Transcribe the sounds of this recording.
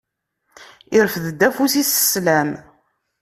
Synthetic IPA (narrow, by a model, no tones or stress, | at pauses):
ɪɾfðəd̪ːæfusisə̥slæm